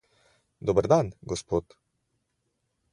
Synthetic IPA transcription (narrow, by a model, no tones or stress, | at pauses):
d̪obəɾd̪anɡɔspoːt̪